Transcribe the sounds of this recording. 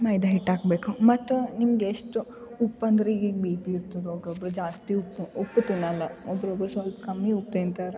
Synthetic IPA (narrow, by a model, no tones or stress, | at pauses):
mɐjd̪ɐɦiʈːaːɡbeːkumɐt̪ːunimɡeeʂʈuupːɐnd̪ɾeiɡiːɡbiːpiːɾt̪ɐd̪eoːɡɾobɾud͡ʒaːst̪iupːupːt̪inɐlːɐɔbɾobɾusʋɐlpɐkɐmːiup̚t̪eːnt̪aːɾe